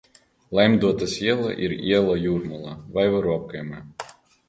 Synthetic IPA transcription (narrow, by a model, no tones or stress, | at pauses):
lˠajmd̪uɔt̪asiɛlˠa̰ʔḭɾḭɛlˠajuɾmulˠavajvaɾuɔkajma